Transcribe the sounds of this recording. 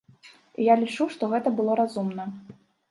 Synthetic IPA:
ijalʲit͡ʂuʂt̪ɔɣɛt̪ɐbɨlˠɔɾazumnɐ

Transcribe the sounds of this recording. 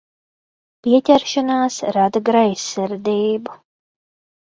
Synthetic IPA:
pʲiɛtʲɛɾʃanaːsɾad̪aɡɾajsːɛɾd̪iːbu

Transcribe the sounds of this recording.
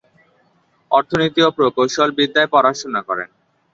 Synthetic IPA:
ɔɾt̪ʰonit̪iopɾokowʃolbid̪ːaepɔɾaʃonakɔɾḛn

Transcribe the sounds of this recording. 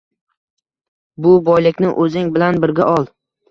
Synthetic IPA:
bʊbɒjlɪkʲnɪʔɵzɪŋbɪlanbɪɾɡʲaʔɒlˠ

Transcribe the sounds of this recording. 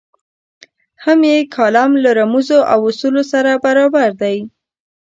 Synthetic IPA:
hamjekʰɑlamlaɾamuzoʔawʊsulosaɾabaɾɑbaɾd̪aj

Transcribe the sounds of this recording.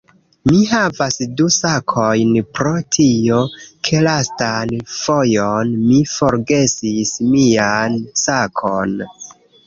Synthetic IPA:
miɦavasdusakʰojnpɾo̞tʰio̞kʰe̞lastanfo̞jonmifoɾɡe̞sismiansakʰon

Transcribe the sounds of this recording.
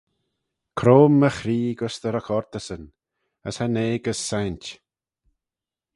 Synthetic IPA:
kʰɾoːmːəxɾiːɡəsd̪əɾakʰɔɾt̪əsən | əshaneːɡəsːajnt̪ʲ

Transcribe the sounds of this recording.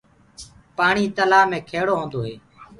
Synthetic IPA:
paːɳiːt̪əlaːmẽːkʰeːɽoːɦõːnd̪oːɦeː

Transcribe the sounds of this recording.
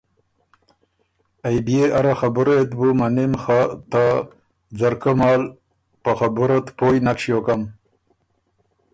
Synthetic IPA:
ajbijeʔaɾaxabuɾet̪bumanimxat̪a | d͡zaɾkomɑːl | paxabuɾat̪poːjnakʂjokam

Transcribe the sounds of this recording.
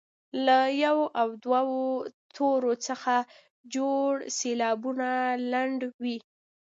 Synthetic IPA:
lajawoʔawd̪wawot̪ʰoɾot͡səxa | d͡ʒoɽselɑbunalaɳɖwi

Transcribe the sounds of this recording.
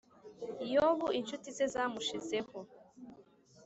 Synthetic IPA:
joβuint͡ʃutize̞zamuʃize̞ho

